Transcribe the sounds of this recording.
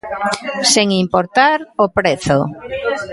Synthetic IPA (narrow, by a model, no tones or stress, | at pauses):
seŋimpoɾt̪aɾopɾeθo